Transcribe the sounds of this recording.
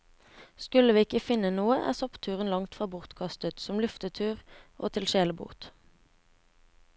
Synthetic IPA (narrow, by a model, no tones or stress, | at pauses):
skʉləʋiːɪkəfɪnənuːəʔæ̰ːʁsɔpt̪ʰʉːʁənlɑŋt̪fʁɑːbʊʁt̪kʰɑst̪ət̪sɔmlʉft̪ət̪ʰʉːʁʔo̰ːt̪ʰɪlʃeːləbṵːt̪